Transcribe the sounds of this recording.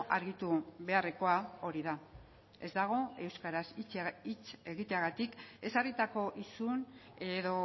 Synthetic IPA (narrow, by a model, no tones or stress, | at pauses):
ʔa̰ɾɣit̪uβe̞are̞ko̞ao̞ɾiða | e̞zd̪aɣ̞o̞e̞wskaɾasit͡sit͡se̞ɣit̪e̞aɣat̪ike̞sarit̪ako̞ʔisune̞ðo̞